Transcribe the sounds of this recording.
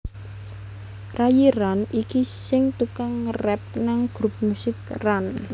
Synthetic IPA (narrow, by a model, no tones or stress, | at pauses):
rajiɾanikisɪŋt̪ukaŋːərɛp̚naŋɡ̥ɾup̚musɪkran